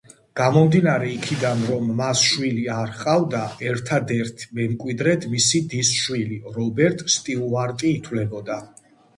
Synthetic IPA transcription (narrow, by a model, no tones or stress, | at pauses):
ɡ̥amɔmd̪inaɾɛikʰid̪anɾɔmːasʃwiliaɾχqʼavd̪aɛɾt̪ʰad̪ɛɾt̪ʰmɛmkʼwid̪ɾɛt̪ʰmisid̪isʃwiliɾɔbɛɾt̪ʼst̪ʼilˠaɾt̪ʼiːt̪ʰwlɛbɔd̪a